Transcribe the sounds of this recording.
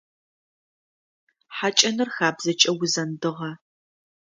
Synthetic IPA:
ħat͡ʃʼɐnɨrxaːbzɐt͡ʃʼɐwʊzɐndɨʁɐ

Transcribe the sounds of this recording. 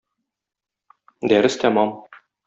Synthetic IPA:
d̪æɾɘst̪æmɑm

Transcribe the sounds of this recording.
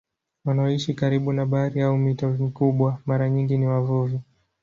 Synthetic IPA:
wanaɔiʃikaɾiɓunaɓaɾiaumitɔmikuɓwamaɾaɲiŋɡiniwavuvi

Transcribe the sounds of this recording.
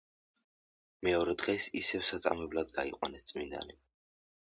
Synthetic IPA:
mɛɔɾɛd̪ʁɛsisɛvsat̪sʼa̰mɛblad̪ɡaiqʼwanɛst̪sʼmind̪a̰ni

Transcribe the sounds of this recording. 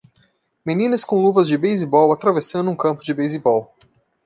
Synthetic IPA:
menĩnɐskõluvɐzd͡ʒɪbejzibɔwat̪ɾavesɐ̃nd̪ʊũkɐ̃mpʊd͡ʒɪbejzibɔw

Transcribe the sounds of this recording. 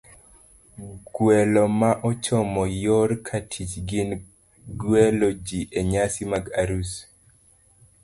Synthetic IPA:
ɡwɛlɔmaʔɔt͡ʃɔmɔjoɾkʰatʰit͡ʃɡɪn | ɡwɛlod͡ʒiʔeɲasimaɡaɾus

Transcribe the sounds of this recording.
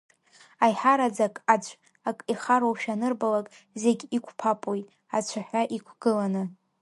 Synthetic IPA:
ajħaɾad͡zakʼat͡ɕʷʰʼ | akʼiχaɾowʃᶣanɨrbalakʼ | ze̞ɡʲikʷʰpʰapʼojʼ | at͡ɕʷʰaħʷᶣaʔikʷʰɡ̥ɨlanɨ

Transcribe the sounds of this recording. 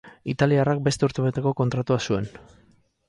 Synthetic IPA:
it̪aliarak̚be̞st̪e̞uɾt̪eβet̪e̞ko̞ko̞nt̪ɾat̪uasue̞n

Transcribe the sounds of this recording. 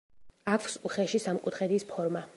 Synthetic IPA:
akʰsuχɛʃisamkʼut̪ʰχɛd̪ispʰɔɾma

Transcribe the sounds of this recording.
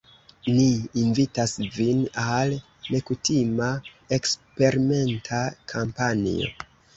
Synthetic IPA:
niːnvitasvinal | ne̞kutima | ekspe̞ɾime̞ntʰakʰampanḭo̰

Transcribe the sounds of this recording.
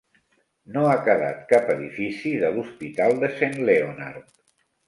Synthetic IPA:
noakəða̰t̪kapəðifisiðəluspit̪alˠd̪əsenleona̰rt̪

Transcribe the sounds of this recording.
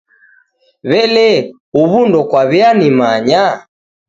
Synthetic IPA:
βɛlɛ | uβundɔkwaβianimaɲa

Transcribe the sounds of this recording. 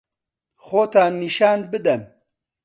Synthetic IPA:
xoːt̪aːniʃaːnbɨd̪ɐn

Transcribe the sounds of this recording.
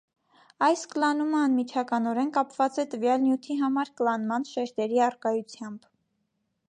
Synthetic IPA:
ɑjskəlɑn̪uməɑnmit͡ʃʰɑkɑnɔɾɛnkɑpvɑt͡sɛt̪əvjɑlnjut̪ʰiɦɑmɑɾkəlɑnmɑnʃɛɾt̪ɛɾiɑrkɑjut͡sʰjɑmb̥

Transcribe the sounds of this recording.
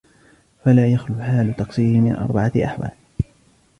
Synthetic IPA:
falaːjaxluːħaːlʊt̪ɑqsˤiːɪmɪ̰nʔɑ̰ɾˤbaʕaʔa̰ħwa̰ːl

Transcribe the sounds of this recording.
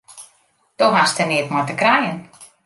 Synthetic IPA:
d̥oɦastənɪətmɔjtəkrɛjən

